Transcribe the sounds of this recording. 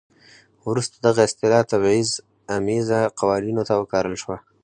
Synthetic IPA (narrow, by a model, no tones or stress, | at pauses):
wɾust̪ad̪aɣaɪst̪ɪlɑt̪aβɑiz | amizaqawɑninot̪awəkɑɾəlʃwa